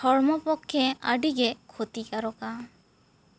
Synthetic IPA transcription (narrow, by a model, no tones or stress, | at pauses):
ɔɾmɔpɔkʰːɛa̰ɖiɡɛkʰot̪ikaɾɔka